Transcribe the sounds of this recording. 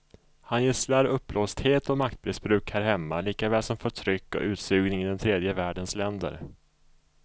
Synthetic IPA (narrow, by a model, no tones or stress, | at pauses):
hanjeslaɾɵpːlɔst̪heːt̪ɔmak̚t̪̚bɾɪsbɾʉ̟ːkhæːɾɦɛmːaliːkavɛːlsɔmfœʈʰɾʏkːɔ̰ʔʉ̟ːt̪sʉ̟ːɡnɪŋɪd̪ɛnt̪ʰɾeːd̪jəvæːɖənslɛnd̪ə̰ɾ